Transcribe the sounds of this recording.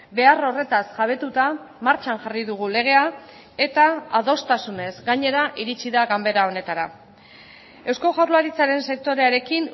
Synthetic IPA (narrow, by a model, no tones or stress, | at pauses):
be̞aro̞re̞t̪asʝaβ̞e̞t̪ut̪amaɾt͡ʃanʝariðuɣ̞ule̞ɣ̞e̞a | e̞t̪aaðo̞st̪asune̞zɡaɲe̞ɾaʔiɾit͡siðaɣambe̞ɾao̞ne̞t̪aɾa | e̞wsko̞ʝawɾlaɾit͡saɾe̞nse̞k̚t̪o̞ɾe̞aɾe̞kin